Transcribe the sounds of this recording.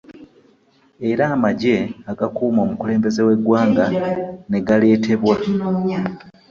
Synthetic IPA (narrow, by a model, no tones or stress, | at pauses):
e̞ɾaːmaɟe̞aɡakuːmo̞ːmukule̞ːmbe̞ze̞we̞ɡwaːŋɡane̞ɡale̞ːte̞βwa